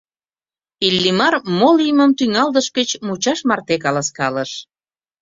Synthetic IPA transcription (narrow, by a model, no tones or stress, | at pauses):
ilʲːimɑrmoliməmt̪yŋɑld̪əʃkət͡ɕmut͡ɕɑʃmɑrt̪ekɑlɑskɑləʃ